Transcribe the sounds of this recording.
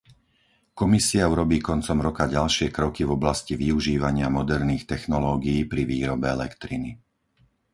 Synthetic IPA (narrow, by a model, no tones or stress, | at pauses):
kɔmisiauɾɔbiːkɔnt͡sɔmɾɔkaɟalʃɪɛkɾɔkivɔblasciʋiuʒiːʋaɲɪamɔd̪ɛɾniːxt̪ɛxnɔlɔːɡiiːpɾiʋiːɾɔbɛɛlɛ̰kt̪ɾini